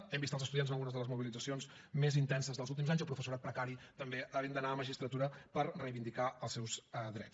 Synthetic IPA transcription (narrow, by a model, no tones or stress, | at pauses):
ɛmbist̪əlˠzəst̪uðianz̬nlˠɣunəzðələzmuβilid͡zəsionz | mezint̪ɛnsəzðəlˠzulˠt̪imzaɲzəpɾufəsuɾat̪̚pɾəkaɾit̪əmbeəβend̪ənaəməʒist̪ɾət̪uɾəpəɾrəjβind̪ikaəlˠsɛwzəðɾɛ̰t͡s